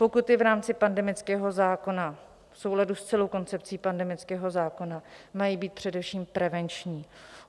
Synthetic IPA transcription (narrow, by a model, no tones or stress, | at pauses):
pokʊt̪ɪvɾaːmt͡sɪpandɛmɪt͡skɛːɦo̞zaːko̞na | fsowladust͡sɛlowko̞nt͡sɛpt͡siːpandɛmɪt͡skɛːɦo̞zaːko̞namajiːbiːt̪̚pr̥ɛdɛfʃiːmpɾɛvɛnt͡ʃɲiː